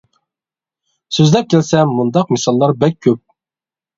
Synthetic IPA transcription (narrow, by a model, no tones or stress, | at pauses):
søzlɛp̚kʲʰælsɛːund̪ɑq̚mɪsɑlˠːɑɾbɛk̚ʲʰːøp̚